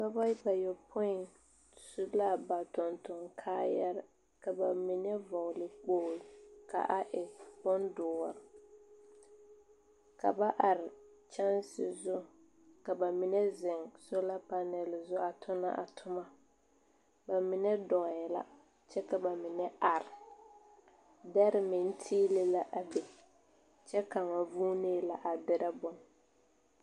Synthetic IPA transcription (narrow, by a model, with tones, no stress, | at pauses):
ka˦ba˦ba˨jɔ˨pʰʊ˦ɪ˨n | sʊ˦la˦ba˨tʊ˨ntʊ˨ŋkʰaː˦ja˦ɾɪ˦ | ka˨ba˨mi˨nɛ˦vɔ˨lɪ˨k͡poː˨lka̰˨ʔa˨ʔɪ˨bʊ˦ndʊː˨ɔ˨ɾ | ka̰˨ba˦ʔa˨ɾɪ˨ | t͡ʃa˦nsɪ˨zʊ˦ | ka˨ba˨mi˨nɛ˦zɪ˨ŋsʊ˦la˦pa˦nɛ˨lɪ˨zʊ˦a˨tʰʊ˦na̰˦ʔa̰˨tʰʊ˦ma˦ | ba˨mɪ˨nɛ˦dɔ˨ɣɛ˨la̰˦ | t͡ʃɛ˦ka˨ba˨mɪ˨nɛ˦a˨ɾɪ˨ | dɛ˦ɾɪ˦mɪ˨n˦tʰiː˦lɪ˦la˦ʔa˨be˨ | t͡ʃɛ˦ka˨ŋa˨vuː˦neː˦la˨ʔa˨bɪ˦ɾa˦bʊ˦n